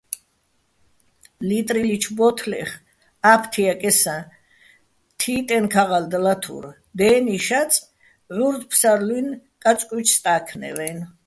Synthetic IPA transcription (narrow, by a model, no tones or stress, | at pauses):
lit̪ʼɾilit͡ʃʰbɔt̪ʰlɛ̰χ | apʰt̪ʰiakʼɛsã | t̪ʰiːt̪ʼɛnkʰaʁald̪lat̪ʰṵɾ | d̪ɛːniʃat̪sʰʼ | ʕuɾd̪pʰsaɾlwinkʼat͡sʼkʼit͡ʃʰst̪ʼaːkʰnɛ̰vɛn